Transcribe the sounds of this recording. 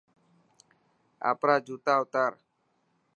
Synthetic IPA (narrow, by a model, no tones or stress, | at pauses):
a̰pɾad͡ʒut̪aut̪aɾ